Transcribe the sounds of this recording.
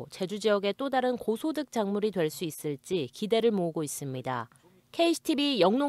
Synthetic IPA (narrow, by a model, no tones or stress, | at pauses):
t͡ɕe̞d͡ʑud͡ʑijʌɡe̞t͈odaɾɯnkosʰodɯk̚t͡ɕ͈aŋmuɾidwe̞ɭs͈uis͈ɯɭt͡ɕ͈ikide̞ɾɯɭmoɯɡois͈ɯmɲida̰ | kʰe̞iɕʰi̥tʰibijʌŋno